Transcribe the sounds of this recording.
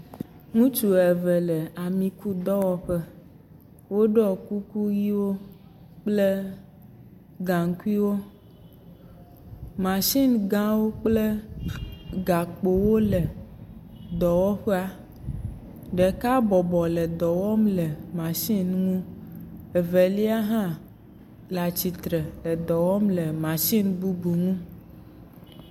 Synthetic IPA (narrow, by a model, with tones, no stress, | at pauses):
ŋũ˦t͡ʃu˨ɛ˨ve˨le˨a˨mĩ˨ku˦d̪ɔ˦wɔ˦ɸe˦ | wo˦ɖɔ˦ku˦ku˦ji˦wo˦ | k͡ple˦ | ɡã˨ŋ˦ku˦i˦wo˦ | mã˨ʃi˦nɡã˦wo˦k͡ple˦ | ɡa˨k͡po˨wo˦le˨ | d̪ɔ˨wɔ˦ɸe˦a˦ | ɖe˨ka˦bɔ˨bɔ˨le˨d̪ɔ˨wɔ˦mle˨mã˨ʃi˦nŋũ˦ | e˨ve˨li˦a˦ɦã˦ | la˨t͡ɕi˨t̪ɾe˨lə˨d̪ɔ˨wɔ˦mle˨mã˨ʃi˦nbu˦bu˨ŋũ˦